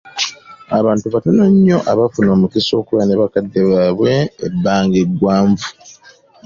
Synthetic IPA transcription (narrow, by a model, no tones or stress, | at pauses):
aβaːntuβatonoɲːo̞ʔaβafuno̞ːmukiso̞ːkuβaneβakadːe̞βaːβwe̞ːbːaːŋɡe̞ɡwaːɱvu̥